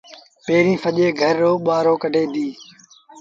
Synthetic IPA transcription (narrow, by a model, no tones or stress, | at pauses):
peːɾĩːfəʄeːɡʱəɾːoːɓaːɾoːkəɖʱeːd̪iː